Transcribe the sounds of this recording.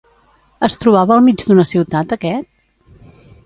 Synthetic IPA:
əst̪ɾuβ̞aβəːlˠmid͡ʒd̪unəsiwt̪at̪əkɛt̪̚

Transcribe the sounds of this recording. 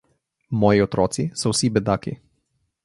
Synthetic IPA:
mɔjiɔt̪ɾɔːt̪sisɔwsibɛd̪akḭ

